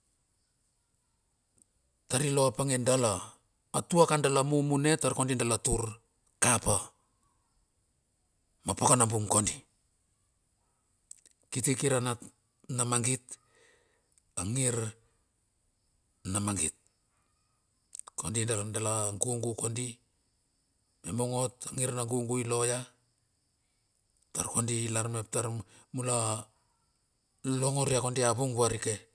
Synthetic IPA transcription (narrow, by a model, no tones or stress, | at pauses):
taɾilo̞apaŋendalaː | tuakandalamumune̞taɾkondindalatuɾ | kapa | mapakanambuŋkondi | kitikiɾana | namaŋɡit̚ | aŋiɾ | namaŋɡit̚ | ko̞ndindalandalaŋɡuŋɡukondi | memo̞ŋo̞taŋiɾnaŋɡuŋɡuilo̞ja | taɾko̞ndilaɾmep̚taɾmula | lo̞ŋo̞ɾiako̞ndiaβuŋbuaɾike̞